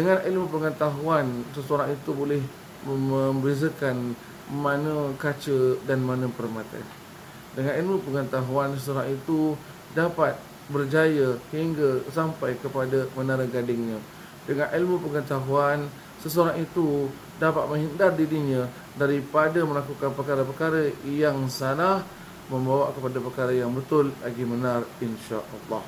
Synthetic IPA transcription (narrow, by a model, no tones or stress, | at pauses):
dəŋãnilmupəŋət̪aɦuansəsəoɾaŋit̪ubolɛh | məməmbəɾizəkan | mãnə̃kat͡ʃədanmãnə̃pəɾmat̪a̰n | dəŋanilmupəŋət̪aɦuansəsoɾaŋit̪u | dapat̪̚ | bərd͡ʒajahiŋɡasampajkəpadamənaɾəɡadɪŋɲã | dəŋãnʔilmupəŋət̪aɦuan | səsoɾaŋit̪u | dapat̪̚mə̃ŋɦindardiɾiɲə̃ | daɾipadəməlakukanpərkaɾəpəkaɾəjaŋsanah | mə̃mbawaʔkəpadapərkaɾəjaŋbət̪ʊlːa̰ɡimənarinʃa̰ʔɑlːɑ̰h